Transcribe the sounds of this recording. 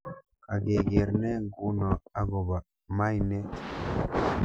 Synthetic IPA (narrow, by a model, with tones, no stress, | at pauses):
a˨ɡe˨ɡe˨ɾnɛ˦ɡu˦nɔ˨a˦ɡɔ˨ba˨ | ma˦jnɛ˦